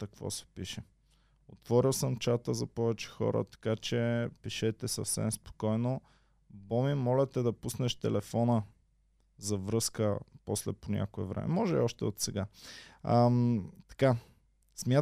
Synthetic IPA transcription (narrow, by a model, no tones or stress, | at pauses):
t̪ɐkvɔ̰sɛ̥piʃɛ | ot̪vɔɾilˠsəmt͡ʃat̪əzɐpɔvɛt͡ʃɛ̥xɔ̰ɾə̰t̪ɐ̥kat͡ʃɛpiʃɛt̪ɛsɐfsɛ̰mspo̥kɔjno | bɔmimɔlʲɛt̪ɛd̪ɐpusnɛʃt̪ɛlɛfɔnə | zɐvɾɤskəpɔslɛ̰ponʲa̰koɛvɾɛ̰mɛ̰mɔʒɛiɔʃt̪ɛot̪sɛɡaət̪ɐ̥ka | smʲja